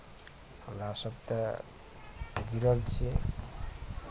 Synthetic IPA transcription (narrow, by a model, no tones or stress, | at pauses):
həmɾasʌb̚t̪ʌ | ɡiɾʌlt͡ʃʰi